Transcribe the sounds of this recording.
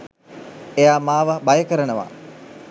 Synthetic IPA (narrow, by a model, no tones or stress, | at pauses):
ejaːmaːʋəbajəkəɾənəʋa̰